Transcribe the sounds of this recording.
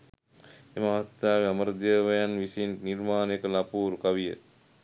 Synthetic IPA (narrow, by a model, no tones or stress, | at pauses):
eməaʋɐst̪aːʋiaməɾəd̪əːʋɐjanʋisinnirmaːnkəlapuːɾukaʋijə̰